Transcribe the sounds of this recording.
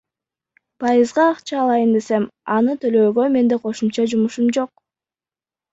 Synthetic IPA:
pʰɑjɯzʁɑːqt͡ʃɑːlˠɑjɯnd̪e̞se̞mɑnɯt̪ʰø̞lø̞ːɡø̞me̞nd̪e̞qʰo̞ʃumt͡ʃɑd͡ʒumuʃumd͡ʒo̞q̚

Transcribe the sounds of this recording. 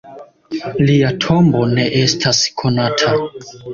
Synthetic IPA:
liatʰo̞mbo̞ne̞ʔe̞stʰaskʰo̞natʰa

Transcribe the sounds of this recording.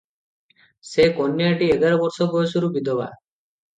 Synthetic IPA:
sekonːiaʈieɡaɾɔbɔɾsɔbɔjesuɾubid̪oba̰

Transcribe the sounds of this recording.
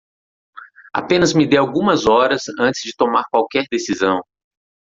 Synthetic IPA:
a̰pẽnɐzmɪd̪ejawɡũmɐzɔɾɐsɐ̃nt͡ʃɪ̥zd͡ʒɪt̪omaɾkwawkɛɾd̪esizɐ̃w̃

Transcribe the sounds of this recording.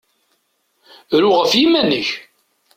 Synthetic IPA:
ɾʊʁəfjimænəç

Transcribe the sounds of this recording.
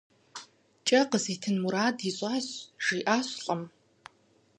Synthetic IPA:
t͡ʃʼɐqəziːtʰɨnmuɾaːdiɕʷʼaːɕʒ̥iːʔaːɕɬʼɐm

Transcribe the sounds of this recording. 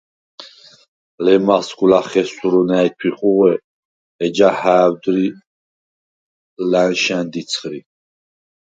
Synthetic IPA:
lɛmaskulaχɛsuɾɔnajt̪ʰiχuʁɛ | ɛd͡ʒahaːwd̪ɾi | lænʃɛnd̪it̪sʰχɾi

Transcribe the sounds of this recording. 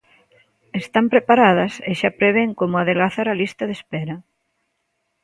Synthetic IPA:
est̪ampɾepaɾað̞ɐseʃapɾeβ̞eŋkomʊaðelɣaθaɾalist̪ɐðespɛɾɐ

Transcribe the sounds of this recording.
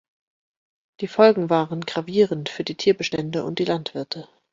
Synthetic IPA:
d̥iːfɔlɡŋ̩vaːʁənɡʁaviːʁəntfyːɐdiːtʰiːɐbəʃtɛndəʔʊ̰nt̚d̥iːlantv̥ɪɐtʰə

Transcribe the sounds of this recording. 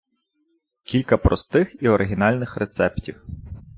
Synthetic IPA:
kʲilʲkɐpɾɔ̰st̪ɪxiɔɾɪɦʲinɑlʲnɪxɾet̪sɛptʲiw

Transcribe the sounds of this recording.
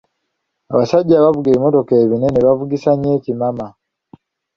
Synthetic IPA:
aβasaɟaːβavuɡeβimo̞to̞keːβineneβavuɡisaɲecimama

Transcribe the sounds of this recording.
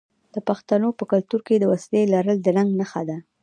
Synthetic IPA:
d̪̥əpaxt̪anopəkalt̪uɾked̪əwaslelaɾəld̪ənaŋɡnaxad̪a

